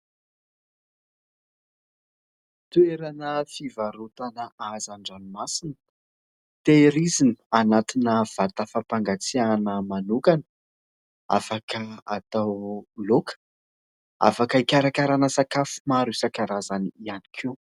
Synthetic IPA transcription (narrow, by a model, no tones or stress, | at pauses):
t̪ueɾanəfivaɾut̪anəazaɳɖ͡ʐanimasinə̥ | t̪eɾizini̥anat̪inəv̥at̪əfapaŋɡat͡sianəmanukanə̥ | a̰fakəat̪awlokə̥ | a̰fakəikʲaɾakaɾanəsakafu̥maɾusakaɾazaniianikʰiw